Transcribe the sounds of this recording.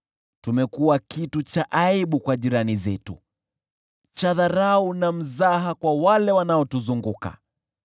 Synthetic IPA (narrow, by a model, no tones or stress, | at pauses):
tumɛkuwakitut͡ʃaʔaiɓukwaʄiɾanizɛtṵ | t͡ʃaðaɾaunam̩zaɦakwawalɛwanaɔtuzuŋɡuka̰